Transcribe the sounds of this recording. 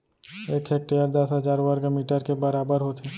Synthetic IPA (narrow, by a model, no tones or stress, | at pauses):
eːkʰeːk̚ʈejəɾd̪əsɦəzaːɾʋəɾɡmiːʈəɾkebəɾaːbəɾɦot̪ʰeː